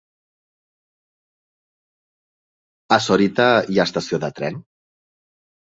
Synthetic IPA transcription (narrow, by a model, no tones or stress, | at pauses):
asoɾit̪aijast̪asioðət̪ɾɛn